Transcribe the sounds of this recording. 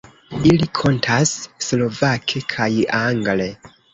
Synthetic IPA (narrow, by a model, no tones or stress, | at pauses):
ilikʰo̞ntʰasːlo̞vakʰe̞kʰajaŋɡle̞